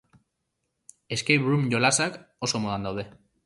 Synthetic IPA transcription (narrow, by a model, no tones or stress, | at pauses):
e̞skejpɾumʝolasako̞so̞moðand̪awð̞e̞